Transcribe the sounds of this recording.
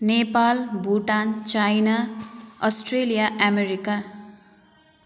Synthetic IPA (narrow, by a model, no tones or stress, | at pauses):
nepalbʱuʈant͡ʃajnaʌsʈrelijaʔameɾika